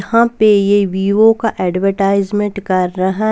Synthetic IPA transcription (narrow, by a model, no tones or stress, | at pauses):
hãpejeʋiːokaʔɛːɖʋəɾʈaːɪzmẽɳʈkɐɾːɐɦa